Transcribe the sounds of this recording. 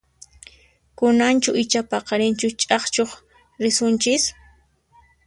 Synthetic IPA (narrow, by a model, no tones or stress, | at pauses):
kʊnant͡ʃʊɪt͡ʃapɑqɑɾɪnt͡ʃʊt͡ʃʼɑχt͡ʃoχ | ɾɪsʊnt͡ʃɪs